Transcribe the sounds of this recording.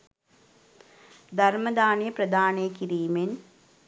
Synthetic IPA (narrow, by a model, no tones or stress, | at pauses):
d̪ʱɐɾmɐd̪aːnijɐprɐd̪ʱaːneːkiɾiːmen